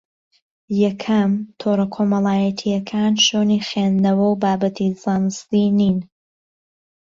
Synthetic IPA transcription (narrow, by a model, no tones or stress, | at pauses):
jɐkʰɐmt̪ʰoɾɐkʰoːmɐlˠaːjɐt̪ʰijɐkʰaːnʃoːniːχend̪ɐwɐwbaːbɐt̪ʰizaːnɨst̪iniːn